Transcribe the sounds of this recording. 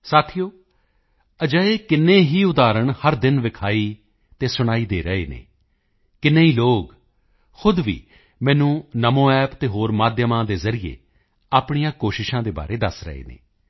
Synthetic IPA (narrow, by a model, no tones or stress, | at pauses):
saːt̪ʰijoː | əd͡ʒəeːkɪnːeːɦiːʊd̪aːɾəɳhəɾd̪ɪnʋɪkʰaːiː | t̪eːsʊɽ̃aːiːd̪eːɾəeːnḛː | kɪnːeːɦiːloːɡ | xʊd̪ʋḭː | mɛ̃ːnũːnəmõːɛːpt̪eːɦoːɾmaːd̪jəmãːd̪eːzəɾiḛː | aːpɳ̃ijãːkoːʃɪʃãːd̪eːba̰ːɾeːd̪əsɾə̰ḛːnḛː